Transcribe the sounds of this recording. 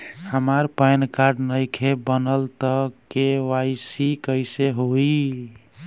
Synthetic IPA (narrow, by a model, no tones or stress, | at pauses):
həmaɾpajnkaɾɖnəjkʰebənəlt̪əkeʋajsikəɪseɦoi